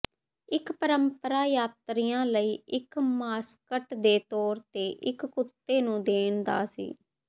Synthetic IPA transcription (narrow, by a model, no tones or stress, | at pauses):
ɪkpəɾəmpəɾaːjaːt̪ɾijãːləiːʔɪkmaːskəʈd̪eːt̪ɔːɾt̪eːʔɪkːʊt̪ːeːnũːd̪eːɳd̪a̰ːsḭː